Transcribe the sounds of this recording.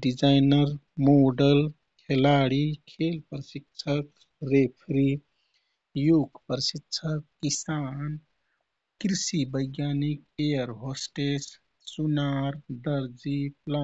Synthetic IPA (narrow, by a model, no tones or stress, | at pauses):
ɖid͡ʒajnəɾmoɖəl | kʰelaɽikʰelpɾsikt͡ʃʰək̚ | ɾepʰɾi | juɡpɾsitːt͡ʃʰəkːisaːn | kɾisibəjɡjaːnik̚ejəɾɦosʈes | sunaɾd̪əɾd͡ʒipla